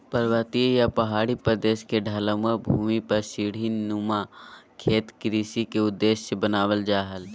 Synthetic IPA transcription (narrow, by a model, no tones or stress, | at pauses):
pəɾʋaːt̪ijapɐɦaːɽipɾəd̪eːʃkeɖʱaːlə̃məbʱuːmipɐɾsiːɽ̤inːumakʰeːt̪kɾiːsikeʊd̪ːeːʃsebənaːʋəld͡ʒaːɦəl